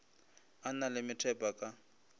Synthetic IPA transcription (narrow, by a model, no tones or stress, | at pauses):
analɪmɪtʰɛpʼakʼa